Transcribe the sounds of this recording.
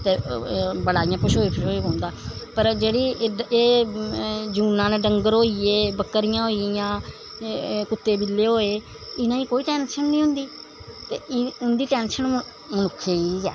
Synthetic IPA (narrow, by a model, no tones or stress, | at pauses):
t̪eːbəɽaːɪjãːpʊʃɦoːiːpʰɪʃoːiːõːnd̪aːpəɾd͡ʒeːɽiːeː | d͡ʒuːnãːnẽːɖəŋɡəɾoːijeːbəkːəɾɪjãːɦoːijãː | kʊt̪ːeːbɪlːeːɦoːeː | ɪnãːĩːkoːiːʈɛːnʃənnĩːɦʊ̃nd̪iː | t̪eːʊnd̪iːʈɛːnʃən | mənʊkʰːeːiːd͡ʒɛ̰ː